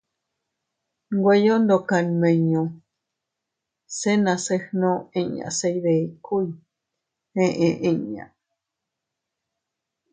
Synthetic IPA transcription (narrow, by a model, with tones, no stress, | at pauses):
ŋɡʷwʷejo˦nd̪o˨ka˨nmẽ˨ɲõ˨ | se˦nã˨se˦hnõ˦ẽ˧ɲã̰˨se˧jβe˨kʰu˦i | hẽ˦ʔẽ˧ʔẽ˧ɲã̰˨ʔ